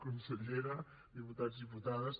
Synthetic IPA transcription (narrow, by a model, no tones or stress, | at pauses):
kunseʎeɾa | ðiput̪ad͡zðiput̪aðəs